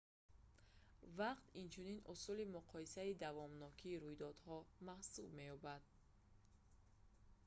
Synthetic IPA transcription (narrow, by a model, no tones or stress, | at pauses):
vaqt̪int͡ʃʰuninusulimuqʰɔisaid̪avɔmnɔkʰiːɾujd̪ɔd̪hɔmahsub̚me̞jɔbad̪̥̚